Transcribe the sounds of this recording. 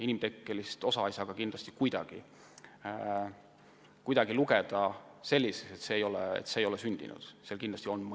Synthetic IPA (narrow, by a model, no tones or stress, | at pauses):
inimt̪e̞kːelist̪o̞sɑɑjsɑɡ̥ɑkind̪lɑst̪ikujd̪̥ɑ̰ɡ̥i | kujd̪̥ɑɡiluɡed̪̥ɑse̞lʲːise̥set̪se̞ːjo̞lɛ̰ḛt̪seːjo̞lɛsynd̪̥ḭnṵd̪̥seɑlkind̪lɑst̪io̞nm